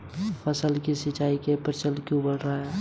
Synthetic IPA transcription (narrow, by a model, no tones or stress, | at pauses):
pʰəsəlkisit͡ʃaikepɾt͡ʃəlkubəɽɾaɦɛ